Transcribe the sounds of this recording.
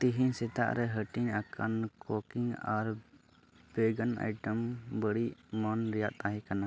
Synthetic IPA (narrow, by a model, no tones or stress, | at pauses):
t̪iɦisɛt̪a̰ʔɾɛɦəʈiɲakʰənkɔkiŋɡaɾ | b̥eɡəna̰jʈəmbəɽiʔmɔnɾijat̪aɦĩkana